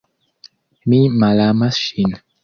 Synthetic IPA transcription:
mimalamaʃin

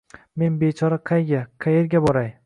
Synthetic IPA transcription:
me̞nbet͡ʃʰɒɾaqʰɑjɡʲaqʰɑjeɾɡʲabɒɾaj

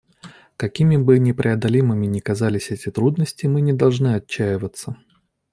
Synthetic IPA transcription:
kɐkʲimʲɪbɨnʲɪpɾʲʔɪɐd̪ɐlʲimɨmʲɪnʲɪkɐzalʲɪsʲɛtʲɪt̪ɾud̪nəsʲtʲɪmɨnʲɪd̪ɐlˠʐnɨɐt͡ɕːæjɪvət̪sːə

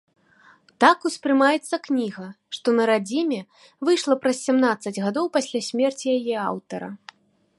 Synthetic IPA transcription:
t̪akuspɾɨmajɛt̪sːɐknʲiɣɐ | ʂt̪ɔnɐɾad͡zʲimʲɛ | vɨjʂlˠɐpɾɐsʲsʲamnat̪sɐd͡zʲɣad̪ɔwpasʲlʲasʲmʲɛrt͡sʲijajɛa̰wt̪ɐɾɐ̰

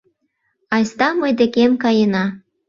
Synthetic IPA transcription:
ɑjst̪ɑmɤjd̪ekemkɑjənɑ

